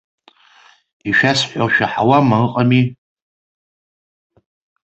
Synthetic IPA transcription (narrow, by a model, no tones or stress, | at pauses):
iʃᶣasħʷᶣaʃᶣaħawamaɨqʼami